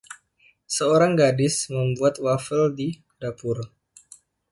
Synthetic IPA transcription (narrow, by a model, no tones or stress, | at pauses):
səoɾaŋɡadɪsməmbuat̪̚wafəldi | dapʊr